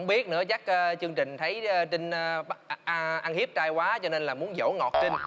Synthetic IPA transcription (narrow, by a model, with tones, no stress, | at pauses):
ŋ͡mɓi˦˥ət̚nɨ̰˧˥ət͡ɕa˦˥k̚ʔt͡ɕɨ˧əŋt͡ɕï˨˩ŋ̟t̪ʰə˨˦jt͡ɕ̪i˧ŋ˧˦ʔʔa˧nhi˦˥əp̚t͡ɕaː˧jkwaː˨˦t͡ɕɔ˧ne˧nlaː˨˩mu˨˦ənzo̰˧˩ŋɔ˨˩t̚ti˧n̟